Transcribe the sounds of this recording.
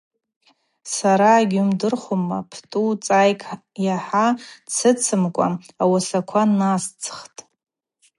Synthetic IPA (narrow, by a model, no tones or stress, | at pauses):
saɾaːɡʲumdɨrχʷoma̰pʰtʼut͡sʼajkʰʼ | jaħat͡sʰɨt͡sʰɨmkʷʼa | awasakʷʰanast͡sʰχtʼ